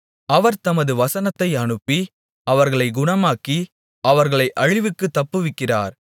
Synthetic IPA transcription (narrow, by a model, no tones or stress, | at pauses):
ɐʋɐɾt̪ɐmɐðɯʋɐsɐnɐt̪ːɐɪɐɳɯpːi | ɐʋɐɾɣɐɭɐɪɡʊɳɐmaːki | ɐʋɐɾɣɐɭɐɪʔɐɻɪʋɯkːɯt̪ːɐpːɯʋɪkːɪra̰ːɾ